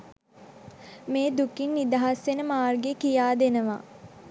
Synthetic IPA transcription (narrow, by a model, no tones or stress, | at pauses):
meːd̪ukinːid̪aɦasʋenəmaːrɡekijaːd̪enəʋa̰